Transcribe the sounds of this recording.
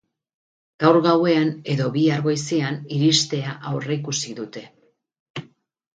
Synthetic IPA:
ɡ̥awɾɣawe̞ane̞ðo̞βiaɾɣo̞jse̞aniɾist̪e̞aʔawre̞ikusiðut̪e̞

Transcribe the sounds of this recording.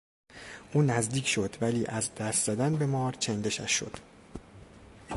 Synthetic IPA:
ʔuːnæzd̪iːcʰʃo̞d̪væliːʔæzd̪æst̪zæd̪ænbemɒːɾt͡ʃʰend̪e̞ʃæ̰ʃːo̞̰d̪̥

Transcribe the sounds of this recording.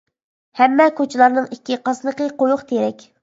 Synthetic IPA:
hɛmːɛkʰʲot͡ʃʰɪlˠɑɾnɨŋikʲːiqɑsnəqəqojuχt̪ʰeɾɛkʲ

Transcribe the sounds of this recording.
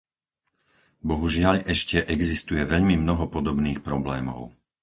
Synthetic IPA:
bɔɦuʒɪaʎɛʃcɛʔɛɡzist̪ujɛʋɛʎmimnɔɦɔpɔd̪ɔbniːxpɾɔblɛːmɔ̰ʊ

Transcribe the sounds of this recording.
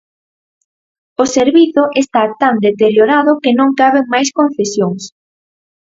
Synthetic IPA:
ʊseɾβiθʊʔest̪at̪and̪et̪eɾjoɾaðʊkɪnõŋkaβeŋmajskonθesjoŋs

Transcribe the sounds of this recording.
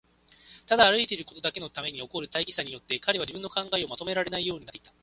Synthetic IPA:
t̪ad̪aːɾɯ̟it̪e̞ɾɯ̟ko̞t̪o̞d̪ake̞no̞t̪ame̞ɲ̟io̞ko̞ɾɯ̟t̪aiɡʲi̥saɲ̟ijo̞t̪ːe̞kaɾe̞β̞ad͡ʑibɯ̟̃nːo̞kãŋɡaeo̞mat̪o̞me̞ɾaɾe̞naijo̞ːɲiat̪ːe̥it̪a

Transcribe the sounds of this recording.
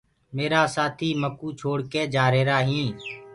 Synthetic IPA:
meːɾaːsaːt̪ʰiːməkuːt͡ʃʰoːɽkeːd͡ʒaːɾeːɾaːɦĩː

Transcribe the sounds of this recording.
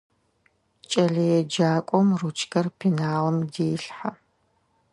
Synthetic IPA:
t͡ʃʼɐɮɐjɛd͡ʒaːkʷʼɔmrut͡ʃʰʼkʰɐrpʰinaːʁɐmdeːɬħa

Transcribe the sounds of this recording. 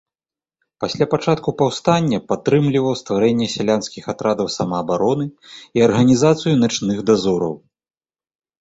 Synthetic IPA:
pasʲlʲapat͡ʂat̪kupawst̪anʲːɐpat̪ːɾɨmlʲivɐwst̪vaɾɛnʲːɛsʲalʲanskʲixat̪ɾad̪ɐwsamɐːbaɾɔnɨiɐrɣɐnʲizat̪sɨjunat͡ʂnɨxd̪azɔɾɐ̰w

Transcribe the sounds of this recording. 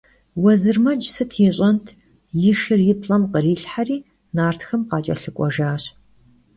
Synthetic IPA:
wɐzɨrmɐd͡ʒsɐtʰiːɕʼɐntʰ | jɪʃɨrjɪpʰɬɐmqəriːɬħariː | naːrtxɐmqɑːt͡ʃʼɐ̰ɬɨkʷʼɔʒaːɕ

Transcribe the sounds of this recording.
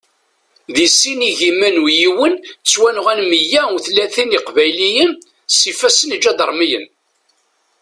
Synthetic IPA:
ðisːiniʝimːænwjiwənt͡sːwænʁænməjæuθlæθiniqvæjlijən | sifæsənd͡ʒæd̪əɾˤmijə̰n

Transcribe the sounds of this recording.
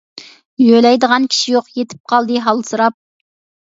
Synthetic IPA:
jølɛjd̪əʁɑnkʲʰi̥ʃijoqjet̪ʰɪ̥p̚qʰɑlˠd̪ɨɦɑlˠsuɾɑp̚

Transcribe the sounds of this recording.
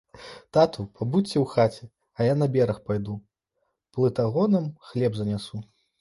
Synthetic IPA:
t̪at̪upʰabuɛwxat͡sʲɛ | ɐjanɐbʲɛɾɐxpajd̪u | plˠɨt̪aɣɔnɐmxlʲɛbzɐnʲasu

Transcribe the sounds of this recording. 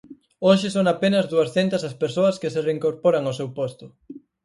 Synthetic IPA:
oʃɪsoŋapenɐzðuɐsθent̪ɐsɐspeɾsoɐskɪsereiŋkoɾpoɾɐŋosewpost̪ʊ

